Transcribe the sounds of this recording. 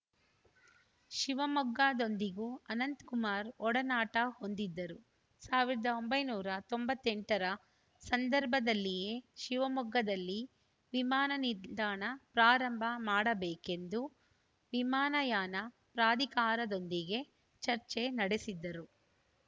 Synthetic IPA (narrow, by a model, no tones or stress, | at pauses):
ʃiʋɐmɔɡːaːd̪o̞nd̪iɡuɐnɐnt̪kumaːɾɔɽɐnaːʈɐho̞nd̪id̪ːɐɾu | saːʋiɾɐd̪ɐombɐjnuːɾɐt̪o̞mbɐt̪ːe̞ɳʈɐɾɐ | sɐnd̪ɐɾbʱɐd̪ɐlːijeʃiʋɐmɔɡːɐd̪ɐlːi | ʋimaːnɐniɾd̪aːɳɐpɾaːɾɐmbʱɐmaːɽɐbeːke̞nd̪u | ʋimaːnɐjaːnɐ | pɾaːd̪ʱikaːɾɐd̪o̞nd̪iɡe̞ | t͡ʃɐɾt͡ʃenɐɽesid̪ːɐɾu